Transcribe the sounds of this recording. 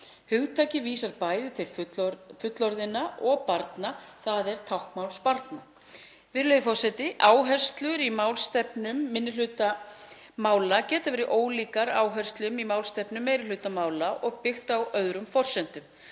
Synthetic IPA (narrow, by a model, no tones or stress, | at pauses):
hʏɣt̪ʰaːcɪviːsaɾpaːjðɪt̪ʰɪlfʏt̪lɔɾðɪnːaʔɔɣpaɾt̪naθaðɛɾ̥t̪ʰawhkmawlspaɾt̪na | vɪɾlejðɪfɔr̥sɛt̪ɪʔaːwɦɛ̥st̪lʏɾimaːwlst̪ɛpnʏmːɪnːʏlʏt̪a | maːwlacɛːt̪avɛːɾɪʔoːwliːkaɾaːwɦɛr̥st̪lʏmimaːwlst̪ɛpnʏmːejɾɪlʏt̪amaːwlaʔɔɣpɪxt̪awœðɾʏmfɔr̥sɛnt̪ʏm